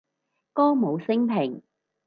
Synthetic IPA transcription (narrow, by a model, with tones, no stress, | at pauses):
kɔː˥mo˨˧wsɪ˥ŋpʰɪ˨˩ŋ